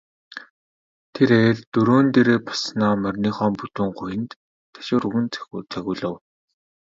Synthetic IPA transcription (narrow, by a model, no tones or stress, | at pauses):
t̪ʰeɾeːɮt̪ɵɾoːnt̪eɾeːpɔ̥snaːmœrʲniːχɔːmput̪uːŋχʊjɘ̆nt̪ | t̪ʰːḁʃʊːɾɵɣɘ̆nt͡sʰæ̥xt͡sʰæxʲʊːɮə̆w